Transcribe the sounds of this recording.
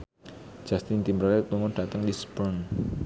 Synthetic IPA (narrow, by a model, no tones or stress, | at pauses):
d͡ʒ̥ast̪ɪnt̪imbɾalɛt̪̚ːuŋɔɖ̥at̪əŋdisəpən